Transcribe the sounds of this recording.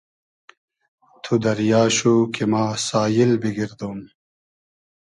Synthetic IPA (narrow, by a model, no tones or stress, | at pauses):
t̪ʰud̪ɐɾjaːɕukemaːsaːjilbiɡiɾd̪oːm